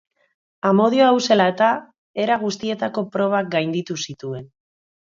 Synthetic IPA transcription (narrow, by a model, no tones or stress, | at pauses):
amo̞ð̞io̞awse̞laet̪a | e̞ɾaɣ̞ust̪ie̞t̪ako̞pɾo̞β̞aɡajnd̪it̪usit̪ue̞n